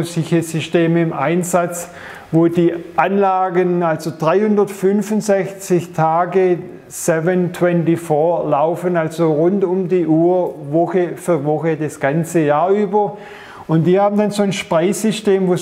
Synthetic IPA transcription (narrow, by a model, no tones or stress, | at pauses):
sɪçəzʏsteːməɪmʔaɪnzat͡s | voːd̥iːʔanlaːɡənalzodʁaɪhʊndɐtfʏnfʊnzɛçt͡sɪçtʰaːɡə | sɛvəntʰw̥ɛntifɔːɐlaʊfənalzoʁʊntʊmdiːʔuːɐvɔxəfyɐvɔxədasɡ̥ant͡səjaːɐʔyːbɐ | ʊntd̥iːhaːbn̩danzoːnʃpʁaɪsʏsteːmvoː